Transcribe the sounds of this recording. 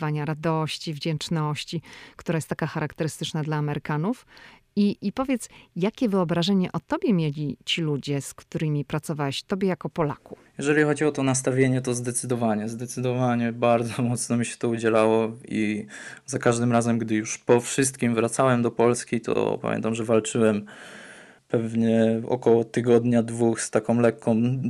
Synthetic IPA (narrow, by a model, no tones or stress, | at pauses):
vaɲaɾad̪ɔɕt͡ɕivd͡ʑɛnt͡ʂnɔɕt͡ɕikt̪uɾajɛst̪ːakaxaɾakt̪ɛɾɘst̪ɘt͡ʂnad̪laːmɛɾɘkanuf | iːpɔvʲjɛt̪sjakʲɛvɘɔbɾaʐɛɲɛʔɔt̪ɔbʲjɛmʲjelʲit͡ɕilud͡ʑɛskt̪uɾɘmʲipɾat̪sɔvawɛɕt̪ɔbʲjɛjakɔpɔla̰ku̥jɛʐɛlʲixɔd͡ʑiɔt̪ɔnas̬t̪avʲjeɲɛt̪ɔzd̪ɛt̪sɘd̪ɔvaɲɛzd̪ɛt̪sɘd̪ɔvaɲɛbaɾd̪zɔmɔt̪snɔmʲiɕɛ̥t̪ɔud͡ʑɛlawɔi | zakaʐd̪ɘmɾazɛmɡd̪ɘjuʂpɔfʂɘst̪kʲimvɾat̪sawɛmd̪ɔpɔlskʲit̪ʰɔ̰pa̰mʲɛ̰nt̪amʐɛvalt͡ʂɘwɛm | pɛvɲɛɔ̰kɔwɔt̪ɘɡɔd̪ɲad̪vuxst̪akɔ̃w̃lɛkːɔ̃w̃